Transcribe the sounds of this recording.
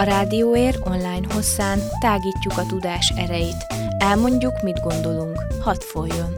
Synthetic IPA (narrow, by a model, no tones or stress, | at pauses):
ɒɾaːd̪ioːeːro̞nlaːjnɦo̞sːaːnt̪aːɡiːcːukɒt̪ud̪aːʃɛ̰ɾɛjit̪ | ɛlmo̞ɲɟukmid̪ɡo̞nd̪o̞luŋkhɒt̪fo̞jːo̞n